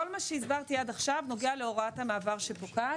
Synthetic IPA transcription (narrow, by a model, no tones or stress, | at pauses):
olmaʃeizbaʁt̪iadaχʃavno̞ɡeale̞o̞ʁathamaːvaʁʃe̞poka